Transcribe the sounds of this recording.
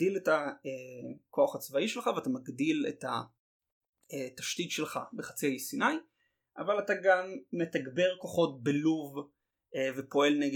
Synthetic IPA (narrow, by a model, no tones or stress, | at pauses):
diletaekʰo̞aχat͡svaiʃelχaveatamaɡdilḛta̰ | etaʃtitʃe̞lχa̰beχḁt͡sihajisinaj | ʔavalataɡamːe̞taɡbe̞ʁkoχo̞t̚beluv | evepo̞e̞lneɡ